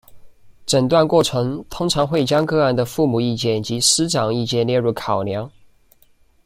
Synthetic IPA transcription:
ʈ͡ʂə˨˩nt̪wa˥˧nkwɔ˥˩ʈ͡ʂʰɤ˧˥ŋt̪ʰʊ˥ŋʈ͡ʂʰɑ˧˥ŋxwe˥˩ɪt͡ɕjɑ˥ŋkɤ˥˧a˥˩nd̪ə˩fu˥˩mu˨˩i˥˧t͡ɕjɛ˥˩nt͡ɕi˧˥sɹ̩˥ʈ͡ʂɑ˨˩ŋi˥˧t͡ɕjɛ˥˧nljɛ˥˧ɻu˥˩kʰɑ˨˩ʊljɑ˧˥ŋ

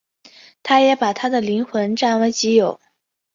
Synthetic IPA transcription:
t̪ʰa˥jɛ˧˥pa˨˩t̪ʰa˥d̪ə˨li˧˥nxwə˧˥nʈ͡ʂa˥˩nwe˧˥ɪt͡ɕi˧˥jo˨˩˦ʊ

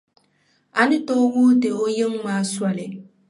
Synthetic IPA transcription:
a˨nɪ˦tɔː˦wu˦te˨o˦jɪ˦ŋmaː˦swa˨lɪ˨

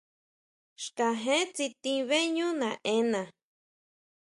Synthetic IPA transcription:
ʃka˨ɦẽ˦t͡si˧t̪ĩ˧βe˦ɲũ˦nã˨ʔẽ˦nã˨

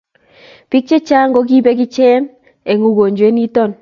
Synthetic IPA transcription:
pɪ˦k̚t͡ʃe˦t͡ʃa˦ŋɡo˦k̬i˦be˦k̬ɪ˦t͡ʃɛ˦n | e˨ŋu˨ɡo˨ɲd͡ʒwe˦ni˦tɔ˦˨n

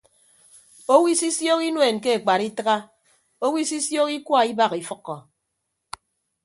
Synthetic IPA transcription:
o˦wi˦si˦sjo˦ki˦nwe˨n˨ke˦e˨k͡pa˨ɾi˦tɨ˦ɣa˦ | o˦wi˦si˦sjo˦ki˦kwa˦˨i˦ba˦ɣi˨fɨ˦kːɔ˨

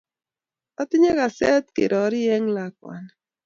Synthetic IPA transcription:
a˦t̪ɪ˦ɲe˦ɣa˨sɛ˦t̪̚kḛ˨ɾɔ˨˦ɾɪ˦ɛ˦ŋla˨k̚wa̰˨n

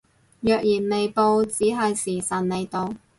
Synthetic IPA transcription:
jœː˨k̚jiː˨˩nle˨˧jpo˨˧wt͡siː˨˥ɦɐ˨jsiː˨˩sɐ˨˩nne˨˧jt̪o˨˧w

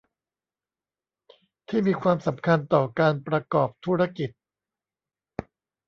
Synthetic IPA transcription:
t̪ʰiː˥˩miː˧kʰwaː˧msa˩˦mkʰa˧nt̪ɔː˨˩kaː˧npɾa˧kɔː˨˩p̚t̪ʰuː˥˩ɾa˧ki˨˩t̪̚

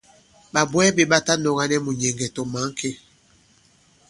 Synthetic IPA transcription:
ɓa˨bwɛ˦be˨ɓa˦ta˦nɔ˨ɣa˦nɛ˦mu˨ɲɛ˨ŋɡɛ˨tɔ˨ma˨˦ŋ˦kʰe˦

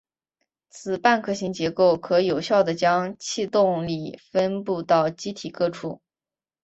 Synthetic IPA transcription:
t͡sʰɹ̩˨˩pa˥˧nkʰɤ˥˩ɕi˧˥ŋt͡ɕjɛ˧˥ko˥˩ʊkʰɤ˧˥jo˨˩ʊɕjɑ˥˩ʊd̪ə˩t͡ɕjɑ˥ŋt͡ɕʰi˥˧t̪ʊ˥˧ŋli˨˩fə˥npu˥˧t̪ɑ˥˩ʊt͡ɕi˥t̪ʰi˨˩kɤ˥˧ʈ͡ʂʰu˥˩

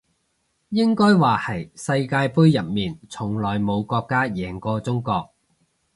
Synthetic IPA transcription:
jɪ˥ŋkɔː˥jwaː˨˩hɐ˨˩jsɐ˧jkaː˧jpuː˥jjɐ˨p̚miː˨˩nt͡sʰʊ˨˩ŋlɔː˨˩jmo˨˧wkɔː˧kːaː˥jɛː˨˩ŋkɔː˧t͡sʊ˥ŋkɔː˧k̚

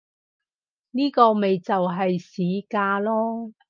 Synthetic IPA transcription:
niː˥kɔː˧me˨jt͡sɐ˨wɦɐ˨jsiː˨˥kaː˧lɔː˥

